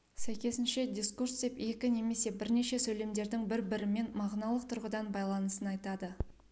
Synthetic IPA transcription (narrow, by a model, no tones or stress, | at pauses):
sæjkʲe̞sɪnʃe̞d̪ʲiskurst̪epe̞kʲɪne̞me̞se̞bɪɾne̞ʃe̞sɵjle̞md̪e̞ɾd̪ɪŋbɪɾbɪɾɪme̞nmɑʁnɑlˠəqt̪ʰʊɾʁəd̪ɑnbɑjlˠɑnəsənɑjt̪ɑd̪ə